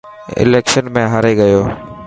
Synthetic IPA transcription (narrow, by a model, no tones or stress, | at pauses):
ɪ̰leːkʃənmẽːɦəɾeːɡəjoː